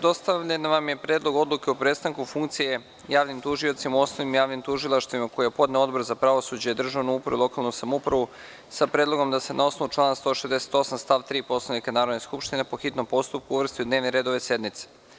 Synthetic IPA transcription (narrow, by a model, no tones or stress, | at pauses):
d̪o̞st̪aʋʎenʋamje̞pɾe̞ːd̪lˠo̞ɡo̞d̪lˠuke̞opɾest̪aŋkufuŋk̚t̪sije̞ | jaːʋnimt̪uʒio̞t̪simauo̞snoʋnimjaːʋnimt̪uʒilˠaʃt̪ʋimako̞jepo̞d̪neo̞d̪̚bo̞ɾzapɾaʋo̞sud͡ʑejed̪r̩ʒaʋnuupɾaʋuilˠo̞kalˠnusamoupɾaʋu | sapɾed̪lˠo̞ɡo̞md̪ase̞nʔao̞snout͡ʃlˠaːnast̪o̞ʃezd̪ese̥t̪o̞samst̪aːʋt̪ɾiːpo̞slˠanikanaːɾod̪neskupʃt̪ine̞po̞xit̪no̞mpo̞st̪up̚kuuʋr̩st̪iud̪ne̞ːʋneɾed̪o̞ʋe̞se̞d̪mit̪se̥